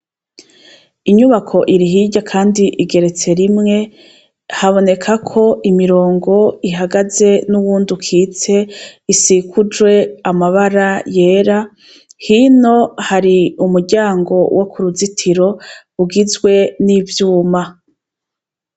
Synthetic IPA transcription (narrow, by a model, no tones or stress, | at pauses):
iɲuβakʰo̞ʔiɾiɦiːɟakʰaːndiʔiɡe̞ɾe̞t͡se̞ɾimŋe̞ | haβo̞ne̞kʰakʰo̞imiɾo̞ːŋɡo̞iɦaɡaze̞nuβuːndukʰiːt͡se̞isikʰud͡ʒwe̞amaβaɾaje̞ːɾa | hino̞haɾiumuɾɟaːŋɡo̞wʔo̞kuɾuzitʰiɾo̞ | uɡizɡwe̞nivjuːma